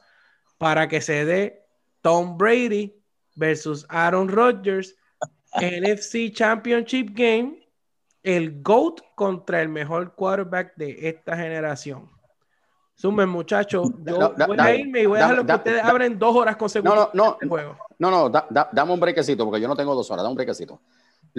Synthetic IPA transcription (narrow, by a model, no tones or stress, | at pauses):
paɾake̞se̞ðe̞ | t̪o̞mbɾejði | beɾsusaɾo̞nrod͡ʒeɾs | enefsit͡ʃampiont͡ʃip̚ɡẽjm | e̞lɡo̞wt̪ko̞nt̪ɾae̞lme̞ɦo̞ɾkwaðeɾβak̚d̪e̞ʔest̪aɦe̞ne̞ɾasjo̞ŋ | sumemmːũt͡ʃat͡ʃo̞d͡ʒoβojaiɾme̞iβo̞jahaɾlokeut̪eðesaβɾend̪o̞so̞ɾaskõ̞nsekwnononoeweɣononod̪ad̪ad̪ameumbɾekesit̪opoɾkejonot̪eŋɡoðosoɾa̰damumbɾekesit̪o